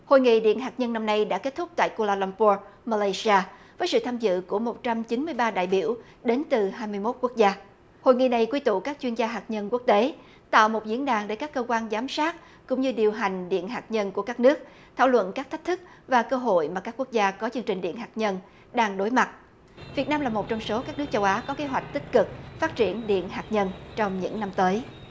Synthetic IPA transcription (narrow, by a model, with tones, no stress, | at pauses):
ho̰˧˨jŋḭ˧˨ɗḭ˧˨ənɦaː˨˩k̚ɲə˧nːa˧mna˧jɗa̰ː˧˥ke˦˥t̚t̪ʰʊ˦˥k͡p̚t̪a̰ː˧˨jko˧laː˧la˧mpu˧maː˧la˧jsi˧aː˧vəː˨˦jsɨ̰˧˨t̪ʰaː˧mzɨ̰˧˨ku˧˩əmo˨˩t̚t͡ɕa˧mt͡ɕi˨˦nmɨ˧əjɓaː˧ɗa̰ː˧˨jɓi˧˩əw | ɗe˨˦nt̪ɨ˨˩haː˧jmɨ˧jmo˦˥t̚ku˦˥ək̚zaː˧ | ho̰˧˨jŋḭ˧˨na˧jkwi˧t̪ṵ˧˨kaː˦˥k̚t͡ɕwi˧ənzaː˧ɦaː˨˩t̚ɲə˧nku˦˥ək̚t̪e˨˦ | t̪a̰ː˧˨wmo˨˩t̚zi˧˥ənɗaː˨˩ŋɗe˧˩kaː˦˥kːəː˧kwaː˧nzaː˨˦msaː˦˥t̚ | kʊ̰˧˥ŋ͡mɲɨ˧ɗi˨˩əwɦa˨˩jŋ̟ɗḭ˧˨ənɦaː˨˩t̚ɲə˧nku˧˩əkaː˦˥k̚nɨ˦˥ək̚ | t̪ʰa̰ː˧˩wlwə̰˧˨nkaː˦˥k̚t̪ʰk̚t̪ʰɨ˦˥k̚ | vaː˨˩kəː˧ɦo̰˧˨jmaː˨˩kaː˦˥kwu˥ək̚zaː˧kɔ˨˦t͡ɕɨ˧əŋt͡ɕï˨˩ŋ̟ɗḭ˧˨ənɦaː˨˩t̚ɲə˧n | ɗaː˧ŋɗo˨˦jma˨˩t̚ | vi˨˩ət̚naː˧mlaː˨˩mo˨˩t̚t͡ɕɔ˧wŋ͡mso˨˦kaː˦˥k̚nɨ˦˥ək̚t͡ɕə˧wʔaː˨˦kɔ˨˦ke˨˦ɦwa˨˩jk̟̚t̪ï˥k̟̚kɨ˨˩k̚faː˦˥t̚t͡ɕi˧˩ənɗḭ˧˨ənɦaː˨˩k̚ɲə˧nt͡ɕɔ˧wŋ͡mɲɨ̰˧˥ŋna˧mt̪əː˨˦j